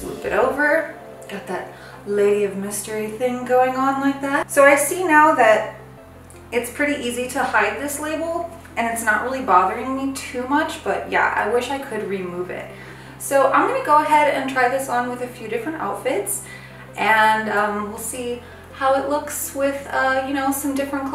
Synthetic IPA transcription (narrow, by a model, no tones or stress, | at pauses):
smṵlˠbɨ̰ɾʔoʊvə˞ | ɡ̥ɑt̪̚ðɨt̚ | leɪʌvmɪstə˞iθɪ̃ŋɡoʊɪ̃ŋə̃nlaɪk̚ðætsoʊaɪsinaʊðɨɾ | ɨtspʰɹ̥ɪɾiʔiziɾəhaɪd̪̚ðɪsleɪbl̩ˠ | ʔɨ̃nɨtsnəʔɹʔɪlˠibɑðə˞ɪ̃ŋmitʰʉmʌt͡ʃb̥ʌʔ̚jæ̰ʔa̰ɪwɪʃaɪkʰɨd̚ɹimuvɪ̰t̚ | soʊʔã̰ɪ̃mɡʌnɨɡoʊəɦɛɾɨ̃ntʰɹ̥aɪðɪsn̩wɨðɨfjʉdɪfɹɨ̃nta̰ʊtfɪts | ʔɨ̃nʌ̃mwɪlˠsi | haʊɨtˡlʊkswɪð̥ʌjɨñoʊsʌ̃mdɪfɹɨ̃nkʰ